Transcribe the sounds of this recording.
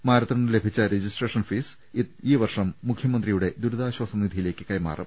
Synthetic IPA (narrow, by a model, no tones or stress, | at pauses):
maːɾɐt̪ːɐɳɨle̞bʱit͡ɕːɐɾed͡ʑisʈreːʂɐnfiːs | iːʋɐrʂɐmːukʰːjɐmɐnd̪rijuɽe̞d̪uɾuðaːɕwɐsɐnid̪ʱijile̞ːkʲːɨkɐjma̰ːrɐ̰m